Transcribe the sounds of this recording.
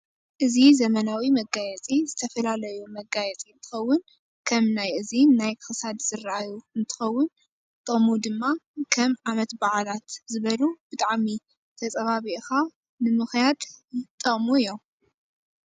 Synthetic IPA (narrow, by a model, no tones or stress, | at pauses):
ʔɨzizɐmɐnawimɐɡajɛt͡sʼizɨt̪ʰɐfɐlalɐjumɐɡajɛt͡sʼiɨnt̪ʰɨ̥xɐwːʊn | kʰɐmnajʔɨziːajxɨsad̪z̥ɨɾaʔajuɨnt̪ʰɨ̥xɐwːʊn | t̪ʼɐmud̪ɨmːakʰɐmʕamɐt̪baʕlat̪zɨβɐlubɨt̪ʼaʕmi | t̪ʰɐt͡sʼɐβaβiʔxa | nɨmɨxjad̪t̪ʼɐχʼmujːom